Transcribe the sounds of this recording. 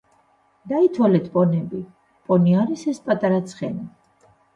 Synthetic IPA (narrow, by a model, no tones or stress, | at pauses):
d̪̥ait̪ʰwalɛt̪ʰpʼɔnɛbi | pʼɔniaɾisɛspʼat̪ʼaɾat̪sʰχɛna